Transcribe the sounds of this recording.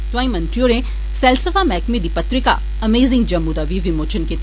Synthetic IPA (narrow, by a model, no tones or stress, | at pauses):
t̪ʋãːĩmɐ̃nt̪ɾijoɾẽ | sɛlsəfamɛːkmẽd̪ipɐt̪ɾɪka̰ | ɐmeːzɪ̃ŋɡd͡ʒɐmːud̪aʋiʋimoːt͡ʃənket̪